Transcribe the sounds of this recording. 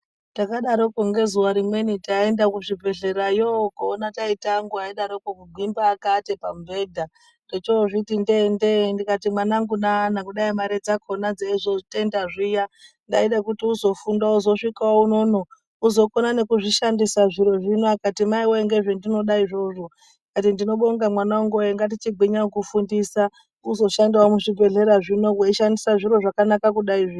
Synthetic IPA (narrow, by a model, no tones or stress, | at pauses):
takaɗaɾo̞koŋɡe̞zuwaɾimwe̞nitae̞ndakuʐibʱe̞ɮe̞ɾajokoːnataitaŋɡuaiɗaɾokokuɡʱwimbaːkatepambʱe̞dʱa | ndet͡ʃoʐitindendendikatimwanaŋɡunanakuɗaimaɾe̞d͡zakʰonad͡zaizotendaʐija | nda̰iɗakutiuzo̞fundauzo̞ʂikaouno̞no̞ | uzo̞konane̞kuʐiʃandisaʐiɾo̞ʐinoakatimaiweeŋɡe̞ʐendino̞ɗaiʐo̞ʐo̞ | kat̬indino̞ɓoŋɡamwanaoŋɡoeŋɡat̬it͡ʃiɡʱiɲaokufundisa | uzo̞ʃandiwamuʐibʱe̞ɮe̞ɾaʐino̞kweiʃandisaʐiɾo̞ʐakanakakuɗaiʐiː